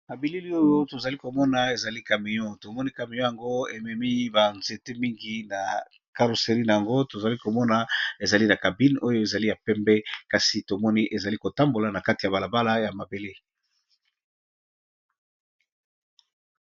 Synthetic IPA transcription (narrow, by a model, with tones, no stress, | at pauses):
ma˨bi˦li˦li˦o˦jo˦to˨za˨li˦ko˨mɔ˦na˨e˨za˨li˦ka˨mi˨ɲɔ˦to˨mɔ˦ni˦ka˨mi˨ɲɔ̃˦ja˨ŋɡo˦e˨mɛ˨mi˦ba˨nze˨te˦mi˦ŋɡi˨na˨ | ka˦lo˨se˨ʁi˦na˨ja˨ŋɡo˦to˨za˨li˦ko˨mɔ˦na˨e˨za˨li˦na˨ka˨bi˦no˦jo˦e˨za˨li˦ja˨pɛ˦mbɛ˦ka˨si˨to˨mɔ˦ni˦ʔe˨za˨li˦ko˨ta˦mbo˨la˨na˨ka˦ti˨ja˨ba˨la˨ba˦la˦ja˨ma˨be˨li˦